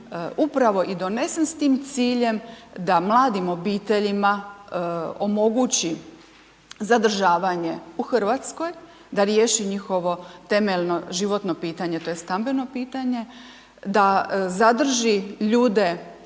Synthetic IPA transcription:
upɾaʋo̞ʔid̪o̞ne̞senst̪iːmt̪siːʎe̞md̪amlˠaːd̪imo̞biːt̪e̞ʎima | o̞mo̞ɡut͡ɕi | zad̪r̩ʒaːʋaɲe̞uxr̩ʋat̪sko̞j | d̪aɾjeːʃiɲixo̞ʋo̞t̪e̞melno̞ʒiʋo̞t̪no̞piːt̪aɲet̪o̞jest̪ambe̞nopiːt̪aɲe̞ | d̪azad̪r̩ʒiʎuːd̪e̞

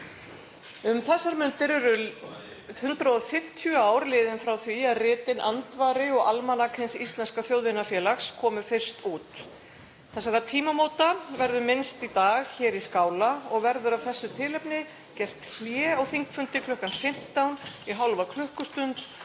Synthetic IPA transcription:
ʏmθɛsːaɾmʏnt̪ɪɾɛɾʏ | hʏnt̪ɾaɔfɪm̥t̪ʰjʏaːwɾlɪːðɪnfɾawθviaðrɪːt̪ɪnʔant̪vaːɾɪɔɣʔalmanakʰɪnsist̪lɛnskaθjowðɪnafjɛːlaxskʰɔːmʏfɪr̥st̪uːt̪ | θɛs̬ːaɾat̪ʰiːmamoːwt̪avɛɾðʏmɪnst̪it̪aːɣçɛːɾiskaːwlaɔɣvɛɾðʏɾavθɛsːʏt̪ʰɪlɛpnɪ | cɛr̥t̪ʰl̥jɛːawθiŋkfʏnt̪ɪkʰlœhkanfɪm̥t̪awniɦawlvakʰlœhkʏst̪ʏnt̪

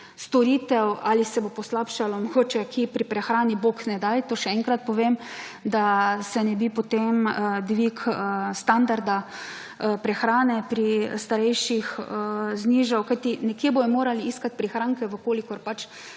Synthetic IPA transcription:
st̪ɔɾiːt̪ɛwalisɛbopɔslapʃalɔmoɡoːt͡ʃɛkʰipɾipɾɛxɾaːniboknɛd̪ajt̪oːʃɛɛŋkɾat̪̚pɔʋeːm | d̪asɛnɛbipot̪emd̪ʋikəst̪and̪aɾd̪a | pɾɛxɾaːnɛpɾist̪aɾɛjʃixəzniːʒawkajt̪inɛkjeːbojɔmoːɾaliiskat̪̚pɾixɾaːŋkɛʋəkoːlikɔɾpat͡ʃ

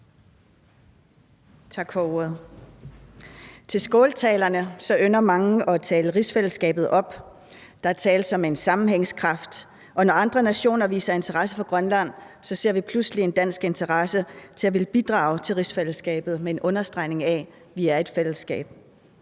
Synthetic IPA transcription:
t͡sʰɑ̈ɡ̥fɒːuɐð̞̩ˠ | t͡sʰe̝lsɡ̥ɔːlt͡sʰɛːlɐnəsɒ̽ʔønɐmɑ̈ŋəʔɒ̽t͡sʰɛːləʁisfel̰sɡ̥ɛ̰ːb̥ð̩ˠʔɒ̽b̥ | d̥ɑ̈æɐt͡sʰɛ̰ːl̥sɒ̽me̝nsɑ̈mn̩heŋskʰʁɑ̈fd̥ | ʔɒ̽nɒɑ̈nd̥ʁɐnæɕo̝̰ːnɐʋḭːsɐe̝nt͡sʰɐʁɑ̈səfɒ̽ɡ̥ʁɶnlæn̰ | sɒ̽se̝ɐ̰ʋipʰluslie̝nd̥æn̰sɡ̥e̝nt͡sʰɐʁɑsət͡sʰe̝æʋe̝ləb̥id̥ʁɑ̈ːʊt͡sʰe̝lʁisfel̰əsɡ̥ɛ̰ːb̥ð̩ˠmee̝nʔɔ̽nɐsd̥ʁɑ̈ɪ̰ne̝ŋæ | ʋiæɐe̝d̥fel̰əsɡ̥ɛ̰ːb̥̚

